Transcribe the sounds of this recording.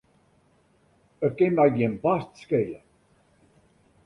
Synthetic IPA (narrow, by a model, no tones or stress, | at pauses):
ər̚kɪnmɛjɡiənbastskeːlə̰